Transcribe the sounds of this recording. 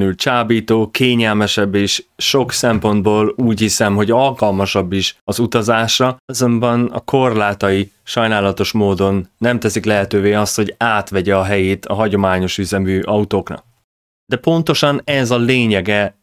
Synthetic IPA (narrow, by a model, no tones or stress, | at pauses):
ylt͡ʃaːbiːt̪oːkeːɲɛlmɛʃɛbːeːʃːo̞ksɛmpo̞nd̪̚boːluːchisɛmɦo̞ɟɒlkɒlmɒʃɒbːiʃɒzut̪ɒzaːʃrɒzo̞mbɒnɒ̰kʰo̞rlaːt̪ɒiʃɒjnaːlɒt̪o̞ʃmoːd̪o̞nːɛmt̪ɛsiklɛɦɛt̪øːveːɒst̪ho̞ɟaːt̪ʋɛɟɛɒɦɛjeːt̪ʰɒɦɒɟo̞maːɲo̞ʃyzɛmyːʔɒut̪oːknɒ̰k̚ | d̪ɛpo̞nt̪o̞ʃɒnɛzɒleːɲɛɡɛ